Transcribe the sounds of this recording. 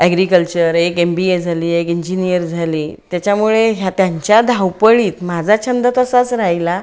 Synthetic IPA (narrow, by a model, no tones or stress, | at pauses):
ɛɡɾikəlt͡ɕəɾekembied͡zʱaliːekiɲd͡ʑinijəɾd͡zʱaliːt̪jat͡ɕjamuɭeɦjat̪jaɲt͡ɕjad̪ʱawpəɭiːt̪mad͡zʱat͡ɕʰənd̪ət̪əsat͡sɾajla